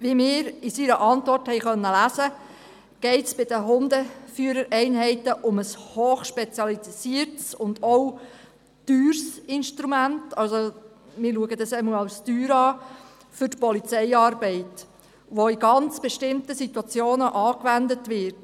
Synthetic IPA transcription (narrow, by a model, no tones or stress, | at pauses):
ʋimɪːɾisiɾəʔɑntʋɔrthɛɪχœnːəlæzə | ɡ̥ɛɪtsb̥ɪd̥əɦʊnd̪əfyəɾəɾʔɛɪnɦɛɪtəʔʊməshoːχʃpɛt͡sjɑlitsiəɾtsʊnd̥̪ɔw | tyːɾsɪnʃtɾumæntɑlso | mɪːɾluəɡəd̪ɑsɛməɑʊstyːɾɑː | fʏtpɔlit͡sɛɪɑːrbɛɪt | ʋoiɡɑnt͡sb̥ɛʃtɪmtəsit̪wɑt͡sjoːnəʔɑːkʋændətʋɪɾt